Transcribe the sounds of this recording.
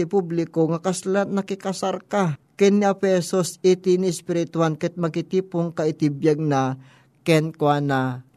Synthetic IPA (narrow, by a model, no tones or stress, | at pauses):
ɪpublɪkoŋɐkɐslat̪nɐkɪkɐsaɾkakɛnːiɐpɛsosit̪inɪɪspɪɾɪt̪ʊankɛt̪̚mɐkɪt̪iːpoŋkɐʔɪt̪ibjaɡ̚nɐ | kɛnkwana